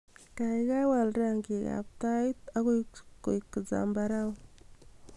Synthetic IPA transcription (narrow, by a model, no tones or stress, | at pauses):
kajɡawalɾaŋɡiɡa̰p̚t̪ajt̪aɡujkːo̰jkːəd͡za̰mbaɾaw